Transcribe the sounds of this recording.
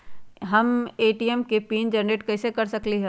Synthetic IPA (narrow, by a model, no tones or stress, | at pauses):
ɦɐmeːʈiɛmkepiːnd͡ʒɐɾneʈkɛːsekɐɾsɐkliɦɛ̃ː